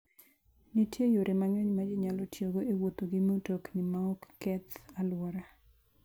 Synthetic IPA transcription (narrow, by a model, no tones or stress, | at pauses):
nitjejoɾemaŋoɲmad͡ʒɪɲalɔtjoɡoʔewot̪oɡɪmotoknɪmaɔkːɛt̪alwɔɾa